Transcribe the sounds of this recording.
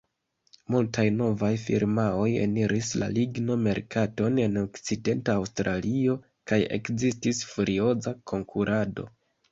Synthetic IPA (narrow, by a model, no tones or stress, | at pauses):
multajno̞vajfḭɾmao̞jḛniɾisla̰liɡno̞me̞ɾkato̞ne̞no̞kt͡side̞ntaːwstɾalio̞ | kaje̞̰kzistisfuɾio̞zakʰo̞ŋkʰuɾʔado̞̰